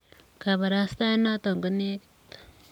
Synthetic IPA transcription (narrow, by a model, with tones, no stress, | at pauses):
ka˨βa˨ɾa˦st̪a˦je˦na˦t̪o˨ŋɡoni˦e˦ki̥˨t̪ḁ